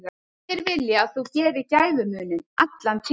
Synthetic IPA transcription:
a | ɛɾvɪljɪaðθuwcɛːvɪcaːjðʏmʏːnʏnat̪lant̪ʰ

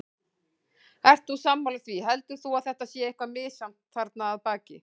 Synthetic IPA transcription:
ɛr̥t̪usamːalʏθviɦɛlt̪ʏɾ̥θuaðθɛht̪asjɛehkvamɪːsam̥t̪θaɾt̪naːðpaːcɪ

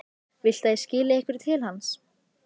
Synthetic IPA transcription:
vɪl̥t̪aðɪscɪːlɪejhkvɪɾ̥t̪ʰɪlhans

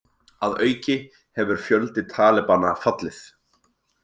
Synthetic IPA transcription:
aðœːɥcɪ | hɛvʏɾ̥fjœlt̪ɪt̪ʰaːlɛpanafat̪lɪθ

